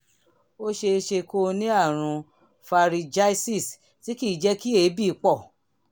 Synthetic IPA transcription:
o˦ʃe˧ʃe˧ko˧nĩ˦a˦˨ɾ̃ũ˧ | fa˧ɾi˧d͡ʒa˦i˦si˦˨s | ti˨˦ki˦˨d͡ʒɛ˦ki˦e˨˦bi˦˨˦k͡pɔ˦˨

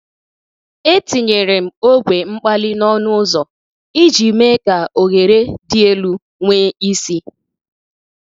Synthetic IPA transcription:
e˦ti˨ɲe˨ɾe˨m̩˨o˦ɡʷe˨ŋ͡m̩˦k͡pa˦lɪ˦nɔ˦nʊ˦zɔ˨ | i˦d͡ʒi˨me˦ka˨o˨ɣe˨ɾe˦dɪ˦e˦lu˦ | ŋʷeː˦i˦si˦

